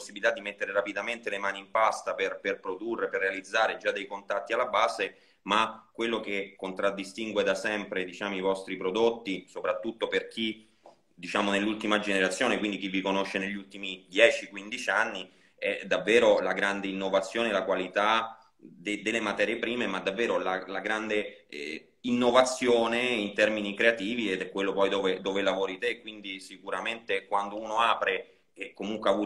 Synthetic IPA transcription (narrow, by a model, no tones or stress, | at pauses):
osːibilit̪ad̪ːimet̪ːeɾeɾapid̪ament̪elemaːnimpast̪aperperpɾod̪urːeperːealid̪zːaːɾed͡ʒad̪ejkont̪at̪ːialːabaːze | makːwelːokekːont̪ɾad̪ːist̪iŋɡwed̪asɛmpɾed̪it͡ʃaːmoivɔst̪ɾipɾod̪ot̪ːisopɾat̪ːut̪ːoperk̟ʰi | d̪it͡ʃaːmonelːult̪imad͡ʒeneɾat̪sjoːnekwind̪ik̟ivːikonoʃːeneʎːult̪imid̪jɛːt͡ʃikwind̪it͡ʃianːi | ɛd̪avːeːɾolaɡɾand̪einːovat̪sːjoːnelakwalit̪a | d̪ed̪elːemat̪ɛːɾjepɾiːmemad̪ːavːɛːɾolalaɡɾand̪ḛ | inːovat̪sːjoːneint̪ɛrminikɾeat̪iːviɛd̪ɛkːwelːopɔjd̪oːved̪oːvelavoːɾit̪ekːwind̪isikuɾament̪ekwand̪ouːnoaːpɾe | ɛkːomuŋkweavuː